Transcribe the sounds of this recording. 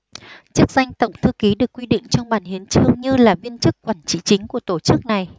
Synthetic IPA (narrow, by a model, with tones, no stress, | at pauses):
t͡ɕɨ˦˥ək̚za˧jŋ̟t̪ə˧˩wŋ͡mt̪ʰɨ˧ki˨˦ɗɨ˨˩əkːwi˧ɗḭ˧˨ŋ̟t͡ɕɔ˧wŋ͡mɓaː˧˩nhi˨˦ənt͡ɕɨ˧əŋɲɨ˧laː˨˩vi˧ənt͡ɕɨ˦˥kːwaː˧˩nt͡ɕḭ˧˨t͡ɕï˨˦ŋ̟ku˧˩ət̪o˧˩t͡ɕɨ˦˥k̚na˨˩j